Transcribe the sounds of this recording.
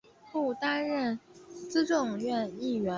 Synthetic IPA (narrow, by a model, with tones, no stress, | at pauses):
pu˥˩t̪a˥nɻə˥˩nt͡sɹ̩˥ʈ͡ʂɤ˥˧ŋɥɛ˥˧ni˥˩ɥɛ˧˥